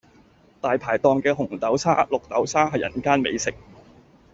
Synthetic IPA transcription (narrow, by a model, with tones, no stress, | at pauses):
t̪aː˨jpʰaː˨˩jt̪ɔː˨˧ŋkɛː˧ɦʊ˨˩ŋt̪ɐ˨˥wt͡sʰa̰ː˥lʊ˨k̚t̪ɐ˨˥wsʰaː˥ɦɐ˨jːjɐ̰˨˩nkaː˥nmḛ˨˧jsɪ˨k̚